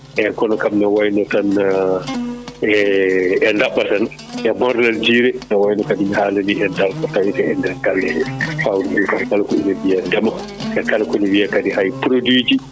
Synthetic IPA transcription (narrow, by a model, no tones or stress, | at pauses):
ʔɛkɔnɔkamnawajnɔtan | ɛɛndaɓːatan | ʔɛbɔɾnald͡ʒiːɾɛnawajnɔkadimihaːlaniʔɛndalkɔtawitɛɛndɛɾɡalːɛfawdiukakalkɔḭnɛbijadɛma | ʔɛkalkɔniwiakadihajpɾodid͡ʒi